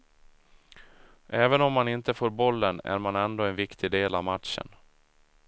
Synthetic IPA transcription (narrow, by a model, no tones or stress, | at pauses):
ʔɛːvənɔmːanɪnt̪əfoːɾbɔlːənæ̰ɾmanɛnd̪oːɛnvɪkt̪ʰɪd̪eːlavmat̪ʂə̰n